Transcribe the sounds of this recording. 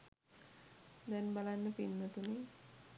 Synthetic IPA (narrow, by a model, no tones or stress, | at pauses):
d̪ɛnbalanːəpinːət̪une